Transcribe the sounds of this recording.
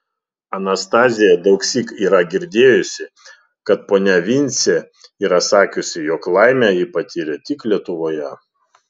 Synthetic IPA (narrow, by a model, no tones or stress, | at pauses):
ɐnɐst̪ɑːzʲɪjɛd̪ɐʊksʲiːkiːɾɐɡʲɪɾʲd̪ʲeːjʊsʲɪ | kɐt̪̚poːnʲɛʋʲɪnʲsʲe | iːɾɐsɑːkʲʊsʲɪjɔːklˠɑˑɪmʲæːjipɐt̪ʲiːɾʲɛt̪ʲɪklʲiɛt̪ʊʋoːjɛ